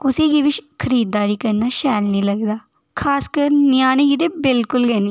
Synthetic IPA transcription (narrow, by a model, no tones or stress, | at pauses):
kʊsekiʋɪt͡ʃkʰəɾiːd̪ːaːɾikɐɾnaʃɛːlnĩlɐɡd̪aː | kʰaːskəɾnjaːnikid̪ebɪlkʊlɡɛːniː